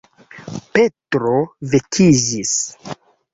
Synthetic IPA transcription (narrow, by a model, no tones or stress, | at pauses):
pe̞tɾovekʰid͡ʒis